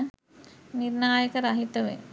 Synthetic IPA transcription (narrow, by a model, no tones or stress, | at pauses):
niɾnaːjəkəɾaɦit̪əʋḛ